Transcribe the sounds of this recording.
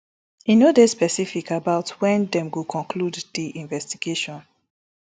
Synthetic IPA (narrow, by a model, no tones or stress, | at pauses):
inodespɛsifikabaʊtwɛ̃ndɛ̃mɡukʰɔ̃nkʰluddiʔĩɱvɛstiɡeʃɔ̃n